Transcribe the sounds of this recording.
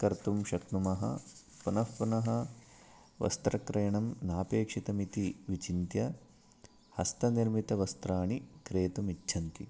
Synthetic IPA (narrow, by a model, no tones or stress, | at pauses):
kɐɾt̪umʃɐknumɐɦɐ̰ | punɐfpunɐɦɐ | ʋɐ̰st̪ɾɐkɾeːjɳɐmnaːpeːkʂit̪ɐmit̪iʋit͡ʃint̪jɐ | hɐst̪ɐniɾmit̪ɐʋɐst̪ɾaːɳikɾeːt̪umitːʃʰɐnt̪i